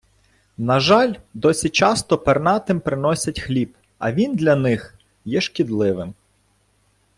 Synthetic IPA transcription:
nɐʒɑlʲd̪ɔsʲit͡ʃɑst̪ɔpernɑt̪ɪmpɾɪnɔsʲɐtʲxlʲib | ɐ̰ʋʲind̪lʲɐnɪx | jɛʃkʲid̪lˠɪʋɪm

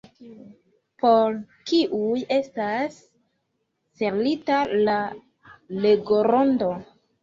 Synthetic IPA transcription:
pʰo̞ɾ | kiʔuje̞stas | e̞ɾlitala | leɡoɾondo

